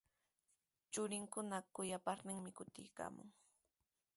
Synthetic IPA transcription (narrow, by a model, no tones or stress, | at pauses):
t͡ʃʊɾɪŋkʊnakʊjapaɾnɪŋmɪkʊt̪ɪ̰jka̰ːmʊ̰ŋ